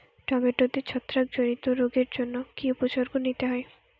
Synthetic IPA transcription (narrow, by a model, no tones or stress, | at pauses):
ʈɔbeʈːod̪et͡ɕʰɔt̪ːɾak̚d͡ʑonit̪oɾoɡeɾd͡ʑonːokiupot͡ɕoɾɡonit̪eɦɔe